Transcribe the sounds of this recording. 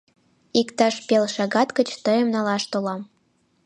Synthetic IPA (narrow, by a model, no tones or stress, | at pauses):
ikt̪ɑʃpelʃɑɡɑt̪kə̆t͡ɕt̪ɤjĕmnɑlɑʃt̪olɑm